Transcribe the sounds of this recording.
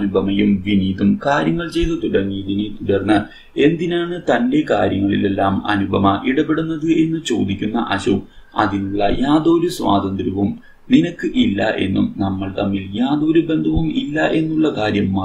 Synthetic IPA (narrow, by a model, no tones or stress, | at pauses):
nubʱɐmɐjumʋiniːðumkaːɾjɐŋːɐɭt͡ɕe̞jt̪ːɨt̪uɽɐrŋːijɐðinit̪uɽɐrnːɨ | e̞nd̪inaːɳɨt̪ɐnde̞kaːɾjɐŋːɐɭḭle̞lːaːmɐ̰nubʱɐmɐʔiɽɐpːeɽunːɐðɨe̞nːɨt͡ɕo̞̰ːd̪ikʲːunːɐʔɐɕuɐ̰ðinuɭːɐ̰jaːðo̞ːɾusʋa̰ːd̪ɐnd̪ɾɐʋum | ninɐkːɨʔilːɐ̰ʔe̞̰nːṵmnɐmːɐɭt̪ɐmːiljaːðo̞ːɾube̞nd̪ʱɐʋumilːɐʔe̞nːuɭːɐkaːɾjɐmːaː